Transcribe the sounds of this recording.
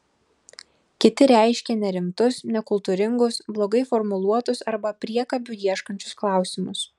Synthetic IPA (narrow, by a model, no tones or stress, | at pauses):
kʲɪt̪ʲɪɾʲæˑɪʃʲkʲenʲɛɾʲɪmt̪ʊsnʲɛkʊlˠt̪uːɾʲɪŋɡʊsblˠoːɡɐɪfɔɾmʊlˠuɔt̪ʊsɐɾbɐpʲɾʲiɛkɐbʲujiɛʃkɐnʲt͡ʃʲʊ̥sklˠɑˑʊsʲɪmʊs